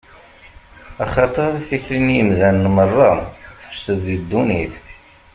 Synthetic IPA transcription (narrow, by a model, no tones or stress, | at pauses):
ɑχɑt̪ˤəɾˤiθiçlinjəmðænːmərˤːɑθə̥fə̥ʃt̪əðːid̪ːuniθ